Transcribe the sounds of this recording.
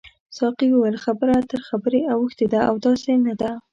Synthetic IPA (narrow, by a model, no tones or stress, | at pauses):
sɑqiwəwəlxabəɾat̪əɾxabəɾeawəxt̪ed̪aawd̪ɑsenad̪a